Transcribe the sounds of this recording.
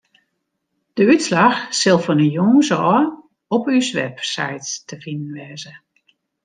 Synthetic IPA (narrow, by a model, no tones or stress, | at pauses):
d̥əytslaxsɪlˠfɔnəjoŋzɔː | ɔpysʋɛ̰psɛ̰jtstəfinənʋɛːzə